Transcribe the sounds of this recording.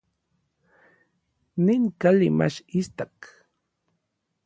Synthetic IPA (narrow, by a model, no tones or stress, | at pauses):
nɪŋkalɪma̰ʃist̪ak